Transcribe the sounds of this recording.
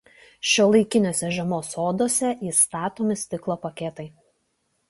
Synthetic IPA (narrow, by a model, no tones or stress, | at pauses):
ʃʲoːlˠɐɪkʲɪnʲoːsʲɛʒʲɛmoːsoːd̪oːsʲɛʔiːst̪ɑːt̪oːmʲɪsʲt̪ʲɪklˠoːpɐkʲɛt̪ɐɪ